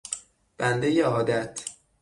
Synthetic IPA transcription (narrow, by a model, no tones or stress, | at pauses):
b̥ænd̪ejeɒːd̪æt̪ʰ